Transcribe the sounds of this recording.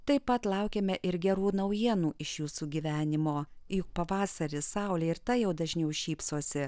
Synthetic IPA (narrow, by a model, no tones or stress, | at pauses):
t̪ɐɪpɐt̪lˠɑʊkʲemʲɛʔɪɾɡʲɛɾuːnɐʊjiɛnuːʔɪʃjuːsuːɡʲiːʋʲæːnʲɪmoːjʊk̚pɐʋɑːsɐɾʲɪsɑˑʊlʲeːɪɾt̪ɐjɛʊd̪ɐʒʲnʲɛʊʃʲiːpsuɔsʲɪ